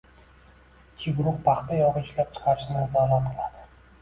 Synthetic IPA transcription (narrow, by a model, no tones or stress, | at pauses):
kʲʰːɪɡɾʊχpʰɑχt̪ajɒʁɨɪʃlap̚t͡ʃʰɪ̥qʰɑɾɪʃnɪzɒlat̪̚qʰɨlˠad̪̥ɪ